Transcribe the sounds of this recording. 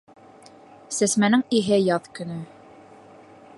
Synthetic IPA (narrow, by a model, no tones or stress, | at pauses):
sæsmænɘŋiɦɘjɑðkɵ̆nɵ